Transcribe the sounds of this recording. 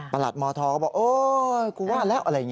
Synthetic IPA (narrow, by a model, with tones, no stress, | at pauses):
paː˧la̰˨˩t̪̚mɔː˧˩t̪ʰɔː˧˩kɔː˦˩ɓɔː˨˩ʔoː˧ku˧˦waː˦˥˩lɛː˦˥ʔə˨˧la˧˩˨ŋ